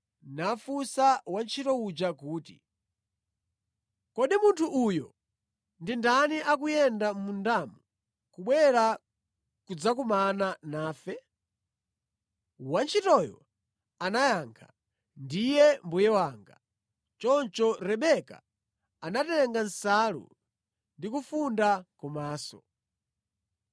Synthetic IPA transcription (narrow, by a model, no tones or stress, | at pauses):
nafusawant͡ʃʰitɔud͡ʒakuːtḭ | kɔɗimuntʰuʔujɔ | ndindaniʔak̬ujɛndamundamu | kuɓwɛɾa | kud͡zakumananaːfɛ | want͡ʃʰitɔjɔ̰ | anajaŋkʰa̰ | ndijɛmbujɛwaːŋɡa | t͡ʃɔnt͡ʃɔɾɛɓɛka̰ | anatɛɛŋɡansalṵ | ndikufundakumaːsɔ̰